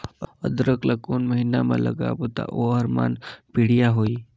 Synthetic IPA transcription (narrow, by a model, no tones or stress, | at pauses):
ə̰d̪ɾəkləkuːnməɦinamã̰lə̰ɡa̰bot̪a̰ʔoɦəɾma̰ːnpiɽijaɦoːiː